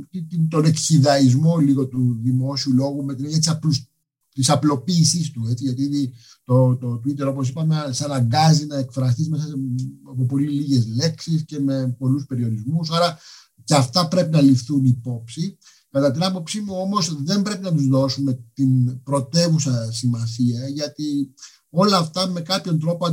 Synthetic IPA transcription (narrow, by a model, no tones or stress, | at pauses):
it̪it̪o̞ne̞kçiðɐizmo̞liɣo̞t̪uðimo̞siulo̞ɣumet̪ineɲɐt̪isɐpus | t̪isɐplo̞piːsist̪ue̞t͡siʝɐt̪̬ii | t̪ot̪ot̪uit̪eɾo̞po̞s̬ipɐmesɐnɐɡɐzinɐe̞kfɾɐs̬t̪izme̞sɐɐpo̞po̞liliʝe̞zle̞ksisce̞me̞po̞luspe̞ɾio̞ɾizmusɐɾɐ | ceɐft̪ɐpɾe̞pinɐlifθunipo̞psi | kɐt̪ɐt̪inɐpo̞psimuo̞mo̞zðe̞mbɾe̞pinɐt̪uzðo̞sume̞t̪inpɾo̞t̪e̞vusɐsimɐsiɐʝɐt̪i | o̞lɐːft̪ɐme̞kɐpço̞nt̪ɾo̞poɐ